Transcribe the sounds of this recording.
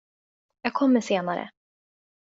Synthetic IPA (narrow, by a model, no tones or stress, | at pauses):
jaːɡ̚kʰɔmːəʂeːnaɾə̰